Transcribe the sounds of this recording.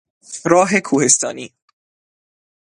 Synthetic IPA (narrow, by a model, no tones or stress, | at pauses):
ɾɒːɦekʰuːhe̞st̪ɒ̰ːniː